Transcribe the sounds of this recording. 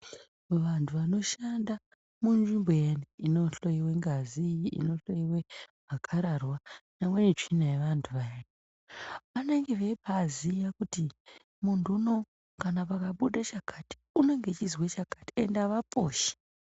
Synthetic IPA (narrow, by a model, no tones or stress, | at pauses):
ʋantʰuʋano̞ʃanda | munʐimbejeniino̞ɬo̞jiwe̞ŋɡaziːiḭno̞ɬo̞iwe̞ | akʰaɾarwanamwenet͡ʂinajeʋantʰuʋajena | pane̞ŋɡe̞ʋepazijakuti | muntuno̞ | kanapakaɓuɗat͡ʃakʰati̥une̞ŋɡe̞t͡ʃizwet͡ʃakḁti̥endaʋapʰoːʃe̥